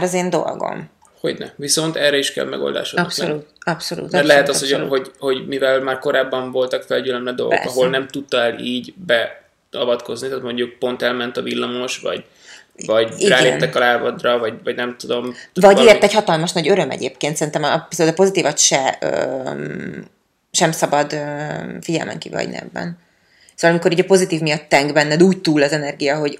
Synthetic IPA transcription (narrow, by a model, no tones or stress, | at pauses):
ɾɒzeːnd̪o̞̰lɡo̞̰m | ho̞̰ɟnɛ̰viso̞nt̪ɛrːɛiʃkɛ̰lmɛ̰ɡo̰ld̪a̰ːʃosoluːt̪ɒpsolṵːt̪ɛt̪lɛɦɛt̪ɒshoho̞ɟho̞ɟmivɛlmaːrko̞ɾaːbːɒɱvo̞lt̪ɒkfɛlɟylɛmlɛd̪o̞̰lɡo̰kɒɦo̞lnɛmt̪ut̪ːɒɛliːɟbɛ | ɒvɒt̪ko̞znit̪aːt̪mo̞ɲɟuk̚po̞nt̪ɛlmɛnt̪ɒvilːɒmoʃvɒ̰ɟ | vɒɟiraːɡleːɛ̰nɛkɒlaːvɒd̪rɒvɒɟvɒɟnɛmt̪ud̪o̞mvɒɟeːrt̪ɛchɒt̪ɒlmɒʃnɒɟøɾømɛ̰ɟḛːpkeːnt̪sɛɾint̪ɛmpisolt̪ɒpo̞zit̪iːvɒt̪ʃɛøː | ʃɛmsɒbɒd̪øfiɟɛ̰lmʔɛ̰ŋkḭvɒ̰ɟnɛ̰bːɛ̰n | soːvɒlɒmiko̞ɾiːɟɒpo̞zit̪iːvmijɒt̪ːɛŋɡbɛnːɛd̪uːct̪uːlɒzɛnɛrɡijɒɦo̞ɟ